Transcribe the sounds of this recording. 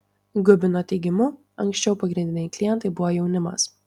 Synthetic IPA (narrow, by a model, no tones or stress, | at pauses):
ɡʊbʲɪnoːt̪ʲɛɪɡʲɪmʊ | ɐŋksʲt͡ʃʲɛʊpɐɡɾʲɪnd̪ʲɪnʲɛɪklʲɪjɛnt̪ɐɪbʊʋojɛʊnʲɪmɐ̰s